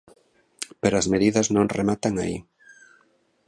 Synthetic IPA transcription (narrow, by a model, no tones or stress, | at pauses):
peɾoɐzmeðiðɐznõŋremat̪aŋai